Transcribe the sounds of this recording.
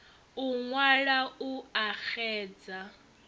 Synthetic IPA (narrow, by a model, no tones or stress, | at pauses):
uŋwaɺauaxɛːd͡za